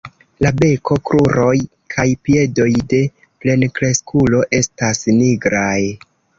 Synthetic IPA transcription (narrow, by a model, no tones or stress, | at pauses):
labe̞kʰo̞kɾuɾo̞j | kʰajpie̞do̞jde̞ | ple̞nkɾe̞skulo̞ʔe̞stasniɡɾaj